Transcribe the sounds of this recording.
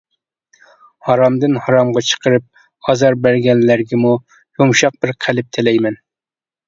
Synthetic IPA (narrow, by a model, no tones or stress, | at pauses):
hɑɾɑmd̪ɨnhɑɾɑmʁɑt͡ʃʰə̥qʰəɾɨp̚ | ɑzɑɾbæɾɡʲɛnlæɾɡʲɛmu | jumʃɑq̚b̥ɪɾqʰælɪp̚t̪ʰɪlɛjmɛn